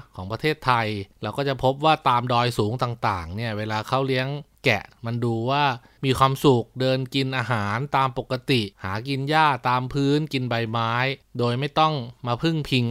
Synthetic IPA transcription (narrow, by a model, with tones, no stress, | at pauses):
kʰɔː˩˦ŋpɾa˧t̪ʰeː˥˩t̪ʰːa˧jɾɛː˧wkɔː˥˩t͡ɕa˨˩pʰo˦˥p̚waː˥˩t̪aː˧mdɔː˧jsuː˩˦ŋt̪aː˨˩ŋt̪aː˨˩ŋni˥˩ɐweː˧laː˧kʰa˦˥˩wli˦˥əŋkɛ̰˨˩ʔma˧nduː˧waː˥˩ | miː˧kʰwaː˧msu˨˩k̚dɤː˧nki˧nʔaː˧ɦaː˩˦nt̪aː˧mpo˨˩kːa˧t̪i˨˩ʔhaː˩˦ki˧njaː˥˩t̪aː˧mpʰɯː˦˥˩nki˧nba˧jmaː˦˥jdoː˧jma˥˩jt̪ɔ˥˩ŋmaː˧pʰɯ˥˩ŋpʰi˧ŋ